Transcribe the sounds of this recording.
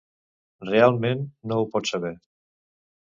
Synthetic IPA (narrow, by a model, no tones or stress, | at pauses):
realˠmẽnːoupɔt̪saβɛ